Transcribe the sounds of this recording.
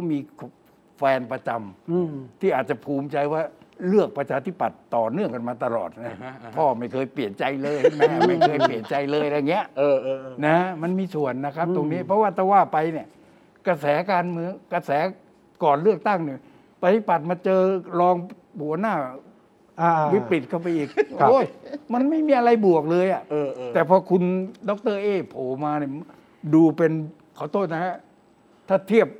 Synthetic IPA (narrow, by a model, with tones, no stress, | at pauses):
kʰɔ˦˥˩miː˧kʰ | fɛː˧npɾa˧t͡ɕa˧mt̪ʰiː˥˩ʔaː˨˩t̪̚t͡ɕa˨˩pʰuː˧˩mt͡ɕa˧jwaː˥˩lɯ˥˩ək̚pɾa˧t͡ɕʰaː˧t̪ʰi˦˥pːa˨˩t̪ːɔː˨˩nɯ˥˩əŋka˨˩maː˧t̪a˧lɔ̰ː˨˩t̪̚na˦˥˦pʰɔː˥˩ma˥˩jkʰɤː˧jpli˨˩ənt͡ɕa˧jlɤː˧jmɛː˦˥ma˥˩jkʰɤː˧jpli˨˩ənt͡ɕa˧jlɤː˧jɾa˧˩ŋi˦˥əʔʔɤː˧˩ʔːna˦˥ma˧nmiː˧su˨˩ənː˦˥kʰa˦˥p̚t̪o˧ŋniː˦˥pʰɾɔ˦˥waː˥˩t̪ʰɛː˥˩waː˥˩pa˧jni˧˩ə | ka˧sɛː˩˦kaː˧nmɯ˧əŋka˧sɛː˩˦ | kɔː˨˩nlɯ˥˩ək̚t̪a˥˩ŋni˧˩ | pa˧t̪i˨˧˩pa˨˩t̪̚maː˧t͡ɕɤː˧ɾɔː˧ŋ | bu˨˩˦ə˦naː˥˩˧ | wi˦˥ɾi˨˩t̪̚kʰa˥˩wpa˧jʔiː˨˩k̚ʰʔoː˦˧˥jma˧nma˥˩jmiː˧ʔa˧ɾa˧jbu˨˩ək̚lɤː˧jʔa˨˩ʔʔɤː˧t̪ɛː˨˩pʰɔː˧kʰu˧ndɔ˦˥k̚t̪ɤː˥˩ʔeː˥˩pʰoː˨˩maː˧ni˧˩ə | duː˧pe˧n | kʰɔː˨˩˦t̪ʰoː˥˩t̪̚na˦˥ka˦˥ | t̪ʰaː˥˩t̪ʰi˥˩əp̚